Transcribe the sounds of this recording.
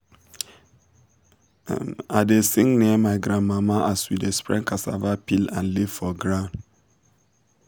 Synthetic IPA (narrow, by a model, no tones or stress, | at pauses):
adesiŋniɛmajɡɾamamaʔaswidespɾɛ̰ŋkasa̰vapila̰nlifɔɡɾan